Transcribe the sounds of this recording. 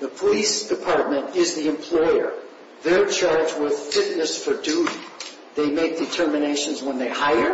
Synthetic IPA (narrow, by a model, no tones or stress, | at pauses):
ðəpʰəlisd̥ɨpʰɑɹt̚mɨ̃ntɪzðiɨ̃mpʰl̥ɔɪə̰˞ | ðə˞t͡ʃʰɑɹd͡ʒwɪð̥fɪtⁿnɨsfə˞duɾi | ðeɪmeɪk̚d̥ɨtʰɜ˞mɨneɪʃɨ̃n̩zwə̃nðeɪhaɪə˞